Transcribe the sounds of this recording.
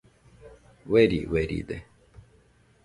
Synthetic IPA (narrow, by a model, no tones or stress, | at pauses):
weɾḭweɾḭːd̪ḛ